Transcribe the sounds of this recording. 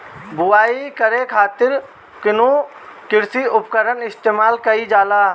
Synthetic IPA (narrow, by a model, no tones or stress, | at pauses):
bʊaːikəɾekʰaːt̪ɪɾ | kɪnũ | kɪɾsiʊpkəɾənɪst̪eːmaːlkəid͡ʒaːlaː